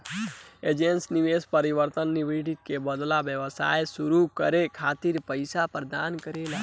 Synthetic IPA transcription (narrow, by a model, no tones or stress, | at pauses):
ed͡ʒensniʋespəɾiʋəɾt̪ənːiʋiɖikːebəd̪labjəʋəsa̰ːjsuɾukəɾekʰaːt̪iɾpəɪsapəɾd̪aːnkəɾelaː